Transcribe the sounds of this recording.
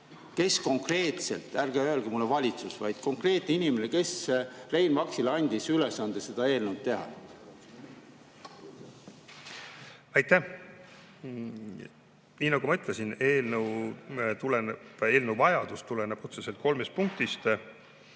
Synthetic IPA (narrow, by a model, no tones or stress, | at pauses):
ke̞sko̞ŋkre̞ːt̪se̞̰lt̪ˑːærɡeøːlɡ̥emulːevɑlʲit̪susvɑ̰jd̪̥ko̞ŋkre̞ːt̪neinʲimeneke̞srejnvɑksilɑnʲd̪̥isylesɑnd̪̥ese̞d̪̥ɑe̞ːlnewt̪̚t̪e̞ɦɑ̰ | ɑjt̪ːæ | niːnːɑɡ̥umɤt̪lesineːlnəwt̪uleneb̥e̞ːlnəwvɑjɑd̪ust̪uleneb̥ut̪seselt̪̚ko̞lmest̪̚puŋk̚t̪ist̪